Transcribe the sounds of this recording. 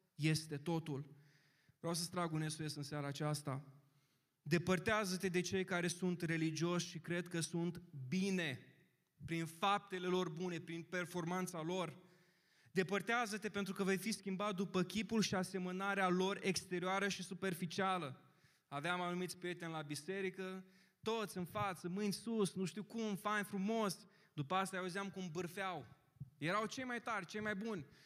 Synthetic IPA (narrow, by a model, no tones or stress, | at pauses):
je̞st̪e̞t̪o̞t̪ul | vɾeaws̬əst̪ɾaɡuneskujesɨnsaɾaːt͡ʃast̪a | d̪e̞pərt̪eazət̪e̞d̪e̞t͡ʃe̞jkaɾe̞sunt̪re̞lid͡ʒio̞ʃʲʃikɾe̞d̪kəsunt̪bine̞ | pɾinfap̚t̪e̞le̞lo̞rbune̞pɾinpe̞rfo̞rmant̪salo̞r | d̪e̞pərt̪eazət̪e̞pe̞nt̪ɾukəvejfiskʲimbat̪̚d̪upəkʲipulʃiase̞mənaɾealo̞re̞kst̪e̞ɾioaɾəʃisupe̞rfit͡ʃialə | aveamanumit̪sʲpɾije̞t̪enʲlabise̞ɾikə | t̪o̞t̪sʲɨnfat̪səmɨnʲsusnuʃt̪iwkumfanʲfɾumo̞s | d̪upəast̪ajauziamkumbɨrfeaw | je̞ɾawt͡ʃe̞jmajt̪arʲt͡ʃe̞jmajbunʲ